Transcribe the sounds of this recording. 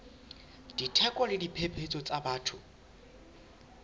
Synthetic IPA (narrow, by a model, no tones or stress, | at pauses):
d̥itʰɛkʼɔlɪdipʰepʰet͡sʼɔt͡sʼabaːtʰʊ